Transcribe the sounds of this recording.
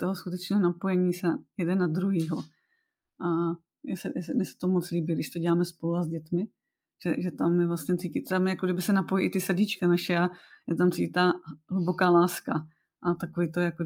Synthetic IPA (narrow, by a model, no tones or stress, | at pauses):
t̪oɦoskut̪ɛt͡ʃnɛːɦonapo̞jɛɲiːsɛjɛdɛnːad̪ɾuɦiːɦo | ʔa | jɛsɛjɛsɛnɛsɛ̥t̪omot͡sliːbɪɡdɪʃt̪oɟɛlaːmɛspo̞luazɟɛt̪mɪ | ʒ̥ɛʒɛt̪amjɛvlasɲɛt̪t͡sicɪt̪t̪amjakodɪbɪsɛnapojiʔɪt̪ɪsaɟit͡ʃkanaʃɛajɛt̪amt̪sicɪt̪aɦlubokaːlaːska | ʔat̪akoviːt̪ojako